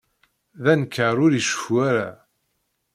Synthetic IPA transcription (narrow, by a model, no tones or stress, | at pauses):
ðænkːəɾˤʊɾiʃə̥fuaɾa